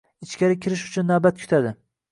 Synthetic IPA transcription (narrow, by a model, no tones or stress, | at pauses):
ɪt͡ʃkʲaɾɪkʲʰɪɾɪʃʊt͡ʃʰʊnːabat̪̚kʰʊ̥t̪ʰad̪ɪ